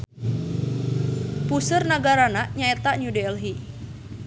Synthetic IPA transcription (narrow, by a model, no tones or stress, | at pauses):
pusərnaɡaɾanaʔɲaɛt̪aʔnudelɦi